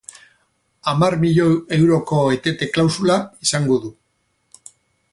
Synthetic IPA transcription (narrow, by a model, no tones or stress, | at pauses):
amaɾmiʎoe̞wɾo̞ko̞e̞t̪e̞t̪e̞klawsulaisaŋɡo̞ðu